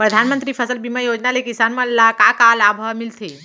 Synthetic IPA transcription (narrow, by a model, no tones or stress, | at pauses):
pɾəd̪ʱaːnmənt̪ɾiːpʰəsəlbiməjoːd͡ʒnalekisaːnmɐ̃lːakakalaːbʱəmɪlt̪ʰeː